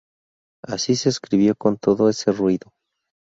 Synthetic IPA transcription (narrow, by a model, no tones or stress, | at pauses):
asise̞ːskɾiβjo̞ko̞nt̪o̞ðo̞e̞se̞rwiðo̞